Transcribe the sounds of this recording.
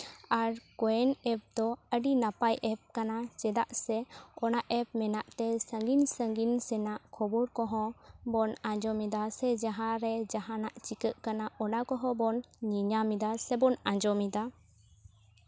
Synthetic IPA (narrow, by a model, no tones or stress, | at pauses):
aɾkɔɛnɛp̚d̪ɔəɖinapajʔɛp̚kanat͡ʃɛd̪aʔsɛɔnaʔɛp̚mɛnaʔt̪ɛsəŋɡinsəŋɡinsɛnaʔkʰɔbɔɾkɔɦɔ̃bɔnãd͡ʒɔmid̪asɛd͡ʒaɦãɾɛd͡ʒaɦãnaʔt͡ʃikəʔkanaɔnakɔɦɔ̃bɔnɲiɲamid̪asɛbɔnãd͡ʒɔmid̪a